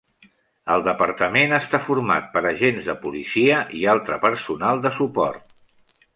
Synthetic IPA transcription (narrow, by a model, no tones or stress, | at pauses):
əlˠd̪əpəɾt̪əmenəst̪afuɾma̰t̪̚pəɾəʒenzðəpulisiəʔialˠt̪ɾəpəɾsunalˠd̪əsupɔ̰ɾt̪